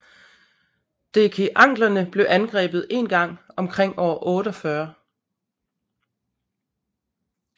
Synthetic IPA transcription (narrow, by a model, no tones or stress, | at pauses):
d̥e̝kʰe̝ʔɑ̈ŋ̰ɡ̥lɐnəb̥le̝ʔænɡ̥ʁɛ̰ːb̥ð̩ˠe̝̰ːnɡ̥ɑ̈ŋ̰ɒ̽mkʰʁeŋ̰ɒːʔɔ̽ːɾəɒ̽fɶːɐ